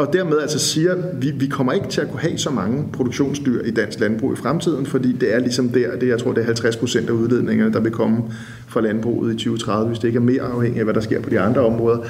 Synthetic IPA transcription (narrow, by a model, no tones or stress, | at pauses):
ɒ̽d̥æɐmeð̞ˠælsɒsiːɐʋiʋikʰɒ̽m̰ɐe̝ɡ̥ət͡sʰe̝lækʰuɦɛsɒ̽mɑ̈ŋəpʰʁo̝d̥oɡ̥ɕo̝̰ːnsd̥y̰ɐ̰id̥æn̰sɡ̥lænb̥ʁṵːifʁamt͡sʰið̞̰ˠn̩fɒ̽d̥ḭːd̥e̝æɐlisɒ̽md̥æɐ̰d̥e̝jɪt͡sʰʁo̝ɐ̰deæɐɦhælt͡sʰʁaspʰʁo̝sen̰d̥æuðˠle̝ð̞̰ˠne̝ŋɐnəd̥ɑ̈ʋe̝kʰɒ̽mə | fʁɑ̈lænb̥ʁṵːð̩ˠit͡sʰyːʊət͡sʰʁɑ̈ðˠʋəʋe̝sd̥ee̝ɡ̥æɐme̝̰ːɐɑ̈ʊheŋ̰iæʋæɾɑ̈sɡ̥e̝ɐ̰pʰɒ̽d̥iɑ̈nd̥ʁɐɒ̽mʁɔːðˠɐ